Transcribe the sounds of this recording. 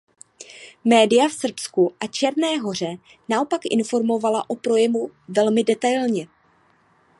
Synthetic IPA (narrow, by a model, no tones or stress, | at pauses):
mɛːdɪjafsr̩pskuʔat͡ʃɛɾnɛːɦo̞r̝ɛ | naʔo̞pakʔɪ̰nfo̞ɾmo̞valaʔopɾo̞jɛmuvɛlmɪdɛt̪ajlɲɛ